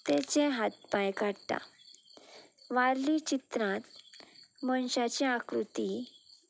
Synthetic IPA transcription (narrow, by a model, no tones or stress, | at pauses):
t̪ɛt͡ɕẽɦat̪̚pajkaɽt̪a̰ | ʋaɾlit͡ɕit̪ɾãt̪ | məɳɕat͡ɕeakɾut̪i